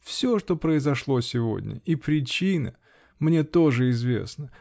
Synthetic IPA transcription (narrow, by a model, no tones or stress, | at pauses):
fsʲo̞ʂt̪o̞pɾəɪzɐʂlˠo̞sʲɪvo̰d̪ʲnʲə̰ipɾʲɪt͡ɕinə̰ | mnʲe̞t̪o̞ʐɨɪzvʲe̞̰snə